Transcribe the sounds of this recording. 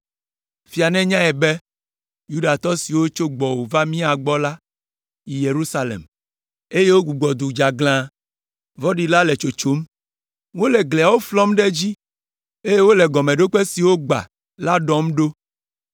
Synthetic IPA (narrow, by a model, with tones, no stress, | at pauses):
fi˨a˨nɛ̃˦ɲã˦ɛ˨bɛ˦ | ju˦ɖa˨t̪ɔ˦si˨wo˦t͡ʃo˦ɡ͡bɔ˨wo˨va˦mĩ˦a˨ɡ͡bɔ˦la˦ | ji˨je˨ɾu˦sa˦lḛ˨m | e˦je˦wo˦ɡu˨ɡ͡bɔ˨d̪u˨d͡ʒa˨ɡl̃ã˦ | vɔ˦ɖi˨la˦lɛ˨t͡ʃo˨t͡ʃo˦m | wo˦lɛ˨ɡle˨a˨wo˦flɔ˦mɖɛ˦d͡ʑi˦ | e˦je˦wo˦lɛ˨ɡɔ˨mɛ̃˨ɖo˦k͡pɛ˦si˨wo˦ɡ͡ba̰˨ | la˦ɖɔ˦mɖo˦